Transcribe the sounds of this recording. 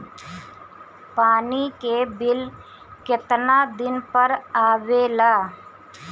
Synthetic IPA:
paːnikebɪl | kɪt̪naːd̪ɪnpəɾaːʋelaː

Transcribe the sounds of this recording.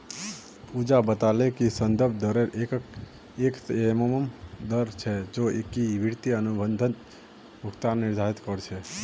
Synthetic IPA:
pud͡ʒabət̪alekisənd̪əɾbʱd̪əɾeɾek | ekeməməmd̪əɾt͡ʃʰɛd͡ʒoekiʋiɾt̪iənubənd̪ʱənt̪ | mukt̪anːiɾd̪ʱaɾit̪kəɾt͡ʃʰɛ

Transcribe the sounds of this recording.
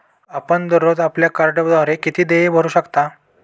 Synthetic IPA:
apəɳd̪əɾod̪apljakaɾɖəbd̪ʱaɾekit̪ʰiːd̪ejebʱəɾuːɕəkt̪a

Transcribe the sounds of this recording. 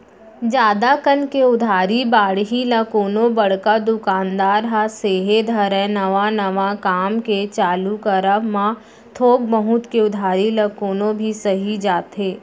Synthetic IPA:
d͡ʒaːd̪akənkeʊd̪ʱaːɾibaːɽɦilɐkoːnõbɐɽkad̪ʊkaːnd̪aːɾɦaseːɦed̪ʱɐɾɛ̃nɐʋanɐʋakaːmket͡ʃaːlukəɾəmã | t̪ʰoːɡ̚bəɦʊt̪keʊd̪ʱaːɾilɐkoːnõbʱisɐɦid͡ʒaːt̪ɦeː

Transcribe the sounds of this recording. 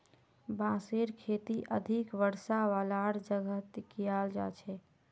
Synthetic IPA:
bãseɾkʰet̪iʔəd̪ʱikʋəɾsaʋalaɽd͡ʒəɡʱət̪kijald͡ʒa̰t͡ʃʰɛ

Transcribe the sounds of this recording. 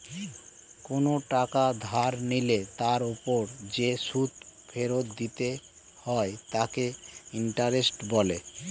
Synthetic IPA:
konoʈakad̪ʱaɾnilet̪aɾopoɾd͡ʑeʃut̪fʰeɾot̪d̪it̪e | hɔet̪akeiɳʈaɾesʈbɔle

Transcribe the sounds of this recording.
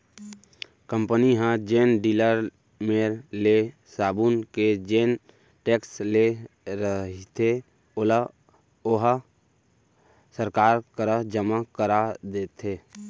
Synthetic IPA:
kə̃mpəniɦə̃d͡ʒeːnɖiːləɾ | meːɾle | saːbunked͡ʒeːn | ʈeːksleɾəɦit̪ʰe | l | ʊɦ | səɾkaːɾkəɾəd͡ʒəmakəɾad̪eːt̪ɦeː

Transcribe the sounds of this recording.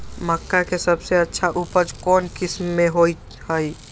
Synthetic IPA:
məkːakesəbseətːʃʰaʔupəd͡ʒkɔːnkismːeɦoj | həj

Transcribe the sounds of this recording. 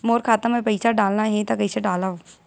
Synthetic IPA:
moːɾkʰaːt̪ãmẽpɐɪsaɖaːlnaɦɛ̃t̪akəɪseɖaːlaoː

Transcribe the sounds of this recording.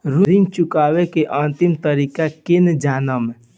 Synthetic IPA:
ɾuɾĩŋɡt͡ʃʊkaːwekeʔãːnt̪imt̪əɾikakend͡ʒaːnəm

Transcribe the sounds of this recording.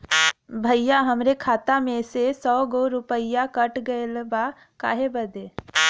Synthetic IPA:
bʱəjaɦɐmɾekʰaːt̪amẽsesɔːɡoɾʊpəijakəʈɡəelba | ka̰ːɦebəd̪eː

